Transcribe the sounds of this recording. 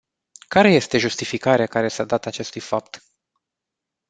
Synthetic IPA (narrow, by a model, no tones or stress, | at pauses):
kaɾe̞je̞st̪e̞ʒust̪ifikaɾeakaɾe̞sad̪at̪at͡ʃe̞st̪ujfap̚t̪